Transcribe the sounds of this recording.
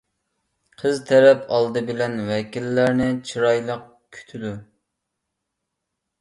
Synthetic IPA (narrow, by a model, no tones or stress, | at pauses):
qʰəzt̪ʰɛɾɛpʰɑlˠd̪ɨbɪlɛnwɛkʲilːæɾnɪt͡ʃʰiɾɑjlˠəq̚ | kʲʰy̥t̪ʰylu